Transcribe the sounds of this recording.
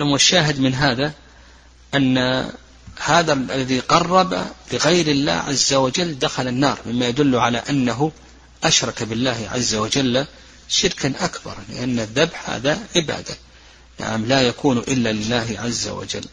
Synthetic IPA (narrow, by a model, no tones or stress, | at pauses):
lamaʃːaːɦɪd̪mɪnɦaːða | ʔanːa | haːðaalːaðiqɑrˤːɑba̰lɪɣajɾɪlːa̰ːhʕa̰zːawad͡ʒalːd̪axalanːɑːɾˤmɪmːajad̪ʊlːʊʕalaʔanːaɦʊ | ʔaʃɾˤɑkabɪlːaːhʕa̰zːawad͡ʒalːa | ʃɪɾkanʔakbɑ̰ɾˤlɪ̰ʔanːaðːabħha̰ːðaʕɪba̰ːd̪a | na̰ʕamlajakuːnʔɪlːalɪlːaːɦʕazːa̰wa̰d͡ʒa̰lː